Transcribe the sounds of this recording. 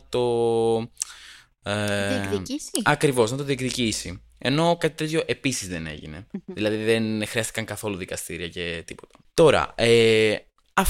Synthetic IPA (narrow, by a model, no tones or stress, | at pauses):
t̪o̞ | iisɐkɾivo̞znɐt̪o̞ðiekðicisi | e̞no̞kɐt̪it̪e̞t̪ço̞ʔe̞pisizðe̞ne̞̰ʝḭne̞̰ðilɐðiðenxɾiɐst̪i̥kɐŋkɐθo̞luðikɐst̪iɾiɐce̞t̪ipo̞̥t̪ɐ̥t̪o̞ɾɐ̰e | ɐf